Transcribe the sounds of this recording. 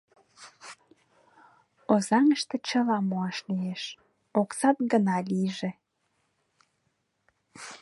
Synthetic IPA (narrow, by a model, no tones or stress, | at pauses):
ozɑŋəʃt̪et͡ɕəlɑmoɑʃlieʃ | oksɑt̪̚ɡənɑliʒe